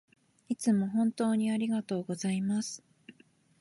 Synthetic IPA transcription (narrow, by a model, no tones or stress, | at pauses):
it͡sɨmo̞ɦõ̞nt̪o̞ːɲ̟iaɾʲiɡat̪o̞ːɡo̞zaimasɨ̥